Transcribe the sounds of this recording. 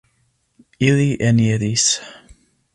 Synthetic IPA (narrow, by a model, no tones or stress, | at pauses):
iliʔɛniəðis